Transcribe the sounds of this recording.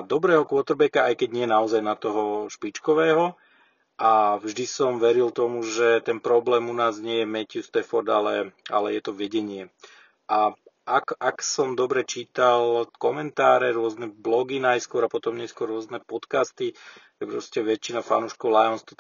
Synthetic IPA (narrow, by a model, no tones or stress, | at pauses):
d̪ɔbɾɛːɦɔkʋɔt̪ɾbɛkaajkɛɟɲɪɛnaɔzajnat̪ɔɦɔʃpit͡ʃkɔʋɛːɦɔ | ʔavʒd̪isɔmʋɛɾilt̪ɔmuʒɛt̪ɛnpɾɔblɛːmunaːzɲɪɛjɛmɛcɪust̪ɛfɔɾd̪a̰lɛa̰lɛjɛt̪ɔʋɛɟɛɲɪɛ | ʔa | akaksɔmd̪ɔbɾɛt͡ʃiːt̪alkɔmɛnt̪aːɾɛɾʊɔznɛblɔɡinajskʊɔɾapɔt̪ɔmɲɛskʊɔrːʊɔznɛpɔt̪kast̪iʒɛpɾɔscɛʋɛt͡ʃːinafa̰nuːʃkɔʊlajɔnst̪ɔ